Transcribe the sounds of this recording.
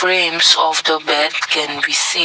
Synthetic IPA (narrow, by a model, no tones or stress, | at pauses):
ɹẽmsɔfdəbɛdkʰɛ̃nbisĩ